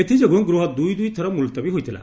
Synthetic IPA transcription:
et̪ʰid͡ʒoɡuŋɡɾuɦɔd̪ujd̪ujt̪ʰɔɾɔmult̪ɔbiɦojt̪ʰila̰

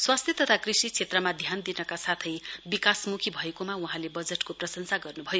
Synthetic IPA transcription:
swast̪ʰjet̪ʌt̪ʰakrisit͡sʰet̪rʌmad̪ʱjand̪inʌkasat̪ʰʌjbikasmukʰibʱʌekomawuɦãlebʌd͡zeʈkoprʌsʌnsaɡʌrnubʱʌjo

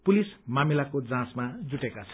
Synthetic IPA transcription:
pulismamilakod͡zãsmad͡zuʈekat͡sʰʌ̥

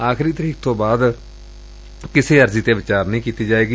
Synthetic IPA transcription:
aːkɾiːt̪əɾiːk̚ʰt̪õːbaːd̪ | kɪseːəɾziːt̪eːʋɪt͡ʃaːɾnĩːkiːt̪iːd͡ʒaːeːɡiː

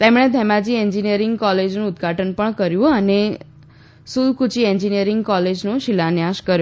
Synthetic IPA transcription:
t̪emɳ̃et̪ʰɛmãd͡ʒieɲd͡ʒinijəɾɪŋɡkɔled͡ʒnũːd̪ɡʱaʈənpəɳkəɾjũəne | sulkut͡ʃieɲd͡ʒinijəɾɪŋɡkɔled͡ʒnũʃilanjaʃkəɾju

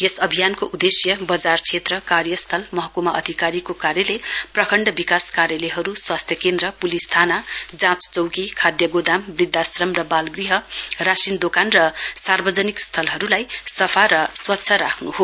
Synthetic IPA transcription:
esʌbʱijankoʔud̪esjʌbʌd͡zart͡sʰet̪rʌkarjʌst̪ʰʌlmʌɦʌkumaʔʌd̪ʱikaɾikokaɾjʌleprʌkʰʌɳɖʌbikaskaɾjʌleɦʌɾuswast̪ʰjʌkend̪rʌpulist̪ʰanad͡zãt͡st͡sʌwkikʰad̪jʌɡod̪ambrid̪ʱːasrʌmrʌbalɡriɦʌrasind̪okanrʌsarbʌd͡zʌnikst̪ʰʌlɦʌɾulajsʌpʰaɾʌswʌtːsʰʌɾakʰnuɦo

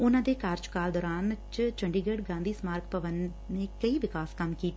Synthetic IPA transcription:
ʊnãːd̪eːkaːɾt͡ʃkaːld̪ɔːɾaːnt͡ʃt͡ʃəɳɖiːɡəɽɡãːnd̪iːsmaːɾkpəʋənː | eːkəiʋɪkaːskɐmkiːt̪

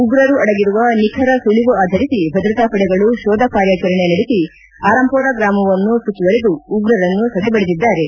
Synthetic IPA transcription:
uɡɾɐɾuɐɽɐɡiɾuʋɐnikʰɐɾɐsuliʋuaːd̪ʱɐɾisibʱɐd̪ɾɐt̪apɐɽɛɡɐɭuʃɔːd̪ʱɐkaːɾjɐt͡ʃɐɾɐɳenɐɽesi | aːɾɐmpɔːɾɐɡɾaːmɐʋɐnːusut͡ʃ̪ːuʋɐɾed̪uːɡɾɐɾɐnːusɐd̪ʱɛbɐɽed̪id̪ːaːɾe̞

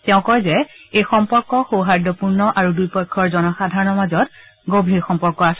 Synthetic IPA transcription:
tɛʊ̃kɔjzɛejxɔmpɔɹkːɔxowɦadʱɔpuɹnɔʔaɹudujpɔjkʰːɔɹzɔnɔxadʱaɹɔnɔɹmazɔt | ɡobʱiɹxɔmpɔɹkːɔasɛ

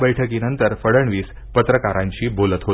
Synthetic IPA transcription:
bəjʈʰəkiːnənt̪əɾfəɽəɳʋiːs | pət̪ɾəkaɾãɲt͡ɕiːbolət̪ɦo

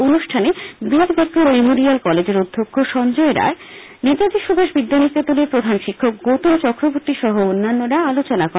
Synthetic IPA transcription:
onuʃʈʰanebid̪b̪ekɾomemoɾialkɔled͡ʑeɾod̪ʱːokʰːoʃɔnd͡ʑoeɾa̰e | net̪ad͡ʑ̪iʃubʱaʃbid̪ːanik̪et̪oleɾpɾod̪ʱanʃikʰːok̚ɡot̪ont͡ɕɔkɾoboɾt̪iʃɔɦoonːanːoɾaalot͡ɕonakɔ

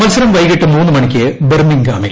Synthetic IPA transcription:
mɐlsɐɾɐmʋɐjɣɐʈːɨmuːnːɨmɐɳikʲːɨbermiŋɡaːmil

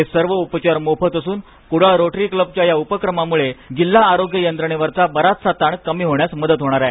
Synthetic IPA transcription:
esəɾʋəupət͡ɕaɾmopʰət̪əsuːn | kuɽ̤aɾoʈɾiːkləb̚t͡ɕjajaupəkɾəmamuɭeɡilːaːɾoɡjəjənd̪ɾəɳ̃eʋəɾt͡sabəɾat̪sat̪aɳkəmiːɦoɳjasməd̪ət̪ɦoɽ̃aɾae

